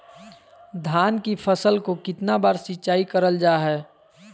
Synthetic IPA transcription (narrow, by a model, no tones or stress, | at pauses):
d̪ʱaːnkipʰəsəlkokɪt̪nabaːɾsɪːt͡ʃaːikəɾəld͡ʒaːɦɛː